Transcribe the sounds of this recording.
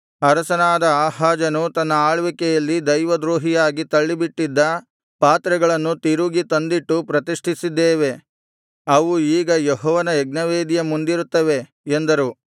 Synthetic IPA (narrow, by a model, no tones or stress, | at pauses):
ɐɾɐsɐnaːd̪ɐaːɦaːd͡ʒɐnut̪ɐnːɐaːɭʋikɛjɐlːid̪ɐjʋɐd̪ɾoːɦijaːɡit̪ɐɭːibiʈːid̪ːɐ | paːt̪ɾɐɡɐɭɐnːut̪iɾuɡit̪ɐnd̪iʈːupɾɐt̪iʂʈʰisid̪ːeːʋe̞ | ɐʋuiːɡɐjeɦɔːʋɐnɐɛɡ̚nɐʋeːd̪ijɐmund̪iɾut̪ːɐʋe̞ | end̪ɐɾu